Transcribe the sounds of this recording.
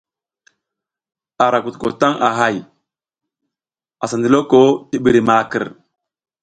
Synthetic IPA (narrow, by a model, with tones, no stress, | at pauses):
a˨ɾa˨ku˨tko̰˨ta˦ŋʔa˨ɦa˦˨j | a˨sa˨ndi˨lo˦ko˦ti˦ɓi˨ɾi˨ma˨kə̰˨ɾ